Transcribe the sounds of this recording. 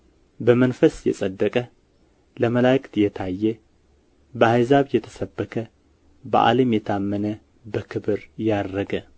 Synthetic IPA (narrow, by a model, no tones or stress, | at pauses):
bəmənfəsjɛ̰sʼəd̪ːəkʼə | ləməlajkt̪jɛt̪ʰajːɛ | bəhajzaβjɛt̪ʰə̥səbːəkʰə | bə̰ʔa̰ləmjɛt̪ʰamːənə | bəkʰɨβɨɾjad̪ɾəɡə